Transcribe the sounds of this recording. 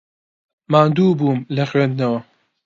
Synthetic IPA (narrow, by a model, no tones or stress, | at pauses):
maːnd̪uːbuːmlɐxɥend̪nɐwɐ